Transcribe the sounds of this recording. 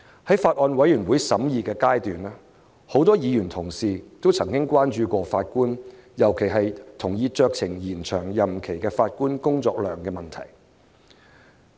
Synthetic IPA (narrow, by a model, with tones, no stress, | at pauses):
hɐ˨˥jfaː˧t̚ʔɔː˧nwɐ˨˥jyː˨˩nwuː˨˥jsɐ˨˥mjiː˨˧kɛː˧kaː˥jt̪yː˨naː˥ | ho˨˥wt̪ɔː˥jiː˨˧jyː˨˩nt̪ʰʊ˨˩ŋsiː˨t̪o˥wt͡sʰɐ˨˩ŋkɪ˥ŋkwaː˥nt͡ʃyː˨˧kʷɔː˧faː˧t̚kuː˥njɐ˨˩wkʰe˨˩jɦɐ˨jt̪ʰʊ˨˩ŋjiː˧t͡ʃœː˧k̚t͡sʰɪ˨˩ŋjiː˨˩nt͡ʃʰœː˨˩ŋjɐ˨mkʰe˨˩jkɛː˧faː˧t̚kuː˥nkʊ˥ŋt͡ʃɔː˧k̚lœ̰ː˨˩ŋkɛː˧mɐ˨nt̪ʰɐ̰˨˩j